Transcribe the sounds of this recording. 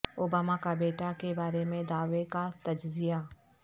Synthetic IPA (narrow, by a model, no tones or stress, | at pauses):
obaːmakabeːʈakebaːɾemẽd̪aːʋekat̪ɐd͡ʒzija